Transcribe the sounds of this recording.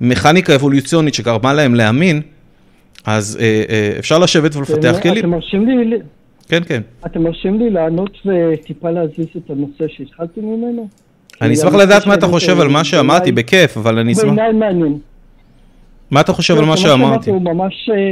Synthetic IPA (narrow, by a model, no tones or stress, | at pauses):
me̞χanikaevo̞lut͡sio̞nit̪ʃekaʁbanlae̞mle̞amin | azeeḛfʃaʁlaʃe̞vet̪velefat̪eaχkelimmaʁʃimlil | kenkenat̪emaʁʃimlilaːnot̪vet̪ipaleaziset̪anose̞ʃeit̪χalt̪emimeno | anismaχladaːt̪mat̪aχo̞ʃe̞valmaʃeamaʁibeke̞favalanibemnajmeanjen | maat̪aχo̞ʃe̞valmaʃeamaʁt̪iumamaʃ